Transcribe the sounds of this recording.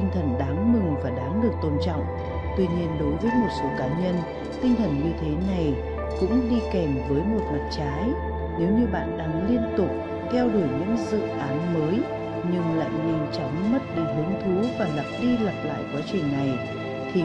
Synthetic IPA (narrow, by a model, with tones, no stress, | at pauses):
i˧ŋt̪ʰə˨˩nɗaː˨˦ŋmɨ˨˩ŋvaː˨˩ɗaː˨˦ŋɗɨ˨˩ək̚t̪o˧nt͡ɕɔ̰˧˨wŋ͡m | t̪wi˧ɲi˧ənɗo˨˦jvəː˨˦jmo˨˩t̚so˨˦kaː˨˦ɲə˧n | t̪ï˧ŋ̟t̪ʰə˨˩nŋwi˧t̪ʰe˨˦na˨˩j | kʊ̰˧˥ŋ͡mɗi˧kɛ˧˩mvəː˨˦jmo˨˩t̚lə˨˩p̚t͡ɕaː˨˦j | ne˨˦wɲɨ˧ɓa̰ː˧˨nɗa˨˦ŋli˧ənt̪ʊ˨˩k͡p̚ | t̪ʰɛ˧wɗu˧˩əjɲɨ̰˧˥ŋzɨ̰˧˨ʔaː˨˦nməː˨˦j | ɲɨ˧ŋla̰ː˧˨nɲa˧jŋ̟t͡ɕɔ˨˦wŋ͡mmə˦˥t̚ɗi˧ɦɨ˨˦əŋt̪ʰu˨˦vaː˨˩lə˨˩p̚ɗi˧lə˨˩p̚la̰ː˧˨jkwaː˨˦t͡ɕï˨˩ŋ̟na˨˩j | t̪ʰi˨˩